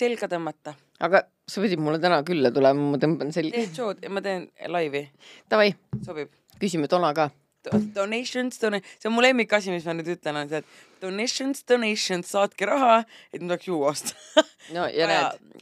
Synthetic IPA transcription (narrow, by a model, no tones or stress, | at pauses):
selɡɑd̪ɑmɑt̪ːɑ | ɑɡ̥ɑ | sepid̪ʲibmulːet̪ænɑkylːɑt̪ulɛmɑmɑt̪ɤmb̥ɑnselʲɡ̪et͡ʃoːd̪emɑt̪e̞ːnlɑjvit̪ɑvɑjso̞b̥ib̥ | kysʲimet̪o̞nɑkɑː | d̥̪od̪̥onejʃonsd̥̪onesenmule̞mːikːɑsʲimismɑnyːd̪yt̪leno̞nset̪ːˑ | d̪̥oneʃonsd̪̥onejʃonsɑːt̪kiɾɑɦɑe̞t̪nyt̪oksjuːost̪nojɑneː